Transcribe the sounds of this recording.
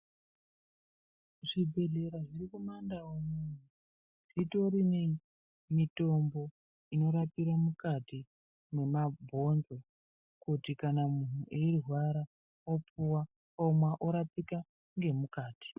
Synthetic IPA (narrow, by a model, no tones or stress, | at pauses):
ʐibʱe̞ɮe̞ɾaʐirikumandawomun̤u | ʐ̥ito̞ɾine | mito̞mbo̞ | ino̞ɾapiɾamukati | mwe̞mabʱo̞nzo̞ | kutikanamun̤uʔeirrwaɾa | opuwa | omwaʔoɾapika | ŋɡe̞mukaːti̥